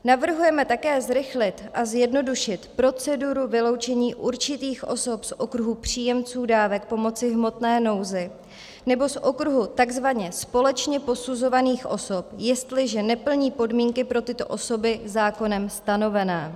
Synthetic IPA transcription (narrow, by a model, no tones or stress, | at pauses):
navr̩ɦujɛmɛt̪akɛːzɾɪxlɪt̪ʔazjɛdno̞duʃɪt̪pɾo̞t͡sɛduɾuvɪlo̞wt͡ʃɛɲiːʔuɾt͡ʃɪt̪iːxʔo̞̰so̞psʔo̞kɾuɦupr̝̥iːjɛmt͡suːdaːvɛk̚po̞mo̞t͡sɪɦmo̞t̪nɛːno̞wzɪ | nɛbo̞sʔo̞kɾuɦut̪aɡzvaɲɛspolɛt͡ʃɲɛpo̞suzo̞vaniːxʔo̞̰so̞pjɛst̪lɪʒɛnɛpl̩ɲiːpo̞dmiːŋkɪpɾo̞t̪ɪt̪o̞̰ʔo̞so̞bɪzaːko̞nɛmst̪ano̞vɛnɛː